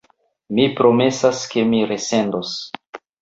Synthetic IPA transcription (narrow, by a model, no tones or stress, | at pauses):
mipɾo̞me̞saske̞miɾe̞se̞ndos